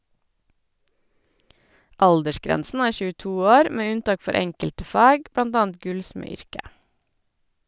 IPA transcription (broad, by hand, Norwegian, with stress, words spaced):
ˈʔɑldəʃˌkɾɛnsn̩ ˈæːɹ çʉːˈtuː ˈoːɾ ˈmeː ˈʉnˌtɑːk ˈfɔɾ ˈɛŋkəltə ˈfɑːɡ ˈbɽɑnd ˈɑːənd ˈɡʉlsmɛˌʏɹkə